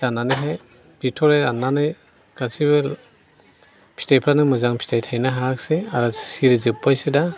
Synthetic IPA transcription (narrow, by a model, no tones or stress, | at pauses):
ananɯjɦaj | b̥itʰɔɾajɾananɯj | ɡ̥asibɯ | pʰi̥tajpʰɾanɯmɯzaŋpʰi̥tʰajtʰajnaɦakseaɾɔsiɾizɯp̚ːajsɯda